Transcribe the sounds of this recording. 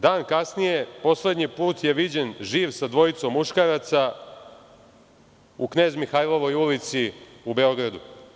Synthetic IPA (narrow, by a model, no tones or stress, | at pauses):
d̪aːnkasnijepo̞sled̪ɲipuːt̪je̞ʋid͡ʑe̞nʒiːʋsad̪ʋo̞it̪somːuʃkaɾat̪sa | ukne̞ːzmixajlˠo̞ʋo̞julit̪siube̞o̞ɡɾad̪u